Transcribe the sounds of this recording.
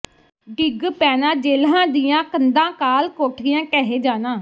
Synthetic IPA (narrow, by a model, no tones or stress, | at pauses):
ɖɪɡpɛːnãːd͡ʒeːlãːd̪iːjãːkənd̪ãːkaːlkoːʈʰɪjãːkɛːɦeːd͡ʒaːnãː